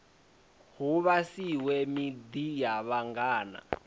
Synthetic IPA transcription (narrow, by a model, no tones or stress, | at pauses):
huβasiwɛmid̪ijaβaŋɡaːna̰